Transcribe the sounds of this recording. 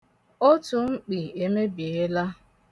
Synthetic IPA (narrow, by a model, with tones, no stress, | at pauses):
o˦tu˨ŋ͡m̩˦k͡pi˨e˨me˦bje˨e˦la˦